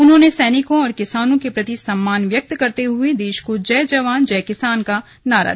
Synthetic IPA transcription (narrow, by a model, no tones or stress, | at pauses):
ʊnɦõnesɛːnɪkõɔːɾkɪsaːnõkepɾɐt̪isɐmːaːnʋjɐk̚t̪kɐɾt̪eɦʊed̪eːʃkod͡ʒɐːd͡ʒɐʋaːnd͡ʒɛːkɪsaːnka | naːɾa̰ː